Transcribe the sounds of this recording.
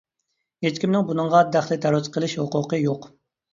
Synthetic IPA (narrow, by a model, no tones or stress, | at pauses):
jet͡ʃkʲimnɪŋbunɨŋʁɑd̪æχlɪt̪ʰɛɾuzqʰəlˠɪʃhoqʊqəjoq